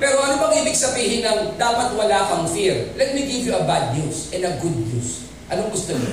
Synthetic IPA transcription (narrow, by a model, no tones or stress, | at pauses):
pɛːɾoʔɐnobɐŋʔiːbɪɡsɐbiːhɪnɐŋd̪aːpɐt̪wɐlaːkɐŋfiɹlɛt̪̚miɡivjuɐbad̪̚ɲusʔɛnd̪ɐɡud̪̚ɲus | ʔɐnoŋɡʊst̪omo